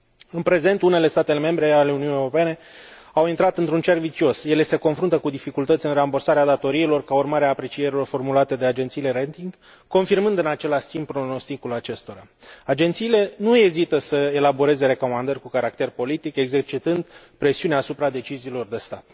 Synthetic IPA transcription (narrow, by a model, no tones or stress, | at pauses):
ɨnpɾe̞ze̞nt̪une̞le̞st̪at̪e̞leme̞mbɾe̞ale̞uniunijewɾope̞ne̞ | awint̪ɾat̪ɨnt̪ɾunt͡ʃervit͡ʃio̞sje̞le̞se̞ko̞nfɾunt̪əkud̪ifikult̪ət̪sʲɨnrambərsaɾead̪at̪o̞ɾiːlo̞rkaurmaɾeaːpɾe̞t͡ʃie̞ɾilo̞rfo̞rmulat̪e̞d̪e̞ad͡ʒe̞nt̪siːle̞ɾent̪iŋɡ | ko̞nfirmɨnd̪ɨnat͡ʃe̞laʃt̪imb̚pɾo̞no̞st̪ikulat͡ʃe̞st̪o̞ɾa | ad͡ʒe̞nt̪siːle̞nue̞zit̪əsəe̞labo̞ɾe̞ze̞ɾe̞ko̞mand̪ərʲkukaɾak̚t̪e̞rpo̞lit̪ike̞ɡze̞rt͡ʃit̪ɨnd̪ | pɾe̞siuneasupɾad̪e̞t͡ʃiziːlo̞rd̪e̞st̪at̪